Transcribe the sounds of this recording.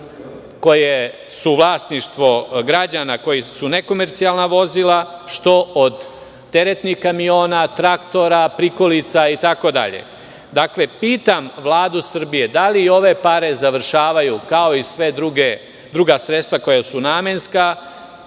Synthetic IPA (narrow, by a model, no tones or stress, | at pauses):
ko̞je | suʋlˠaːst̪niʃt̪ʋo̞ɡɾad͡ʑanako̞jisune̞ko̞me̞ɾt̪sialˠnaʋo̞zilˠaʃt̪o̞ʔod̪ː | e̞ɾet̪nihkamio̞ːnat̪ɾakt̪o̞ɾapɾiko̞lit̪sait̪ako̞d̪a̰ʎḛ | d̪akle̞piːt̪amʋlaːd̪usr̩bije̞d̪aliːo̞ʋe̞paɾe̞zaʋr̩ʃaːʋajukao̞isʋe̞d̪ɾuɡe | d̪ɾuɡasɾet̪st̪ʋako̞jasunaːmenska